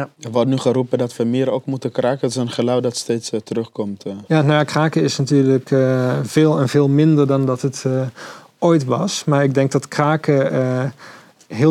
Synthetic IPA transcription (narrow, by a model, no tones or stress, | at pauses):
əʋɔdnyχəɾupədɔtʋəmɪəɾoːkmutəkraːkəətɪsənχəlawdɔtsteːtstərøχkɔmtjanakraːkəɪsnatyːɹləkv̥eːlˠɛnv̥eːlˠmɪndərdɔndɔtət | oːjtʋɔ̰smaɹɪɡ̚dɛŋk̚dɔtkraːkə | ɦɪ